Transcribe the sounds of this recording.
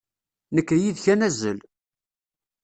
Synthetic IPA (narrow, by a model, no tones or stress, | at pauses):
nəkːɾjiðçænæzːə̰l